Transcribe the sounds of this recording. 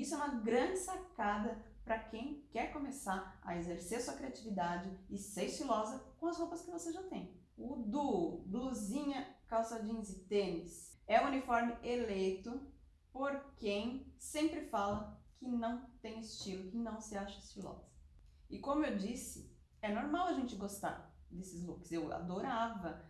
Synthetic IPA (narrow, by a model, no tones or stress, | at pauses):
isʊɛũmɐɡɾɐ̃d͡ʒɪsakad̪ɐpɾɐkẽj̃kɛɾkõmesaɾɐ̰ezeɾseɾɐsuɐkɾiat͡ʃivid̪ad͡ʒɪɪseɾɪst͡ʃilɔzɐkõɐshopɐskɪvoseʒat̪ẽj̃ | ʊd̪uʊbluzĩɲɐkawsad͡ʒĩɲzɪt̪ẽnɪs | ɛũunifɔɾmɪʔelejt̪ʊ | poɾkẽj̃sẽmpɾɪfalɐkʰɪnɐ̃w̃t̪ẽj̃ɪst͡ʃilʊkɪnɐ̃w̃sɪaʃɐɪst͡ʃilɔ̰zɐ | ɪkõmʊewd͡ʒisɪ̰ | ɛnoɾmawɐʒẽnt͡ʃɪɡost̪a̰ɾd̪esɪzlukʊ̥zewa̰d̪oɾavɐ